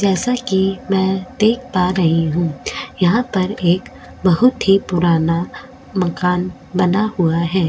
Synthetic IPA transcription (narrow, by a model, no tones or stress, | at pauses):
d͡ʒɛːsakimɛ̃ːd̪eːk̚ʰpaːɾɐɦiɦũːjɐɦãpɐɾeːk | bɐɦʊt̪ɦipʊɾaːna | mɐkaːn | bɐnahʊaɦɛː